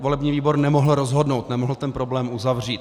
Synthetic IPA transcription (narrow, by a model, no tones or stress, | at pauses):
vo̞lɛbɲiːviːbo̞ɾnɛmo̞ɦl̩ɾozɦo̞dno̞wt̪nɛmoɦl̩t̪ɛnpɾo̞blɛːmuzavr̝iːt̪